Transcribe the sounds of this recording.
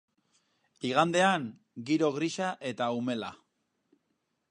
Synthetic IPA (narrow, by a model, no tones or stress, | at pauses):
iɣ̞and̪e̞aŋ | ɡiɾo̞ɣɾiʃaʔe̞t̪aume̞la̰